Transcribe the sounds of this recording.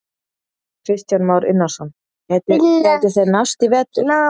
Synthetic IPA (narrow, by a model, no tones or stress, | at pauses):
kʰɾɪst̪janmaːwɾɪ̰nːaɾ̥sɔn | hɛt̪ɪɛt̪ɪɾ̥θejɾnast̪ivɛt̪ɪ